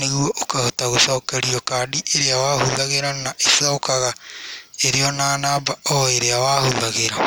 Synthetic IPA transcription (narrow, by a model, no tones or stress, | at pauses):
neɣuɔʔokahotaɣosaokaɾiɔkaːɗiʔeɾeawahoðaɣeɾanaʔesaokaɣa | eɾeɔnaːnabaɔeɾeawaːhoðaɣeɾa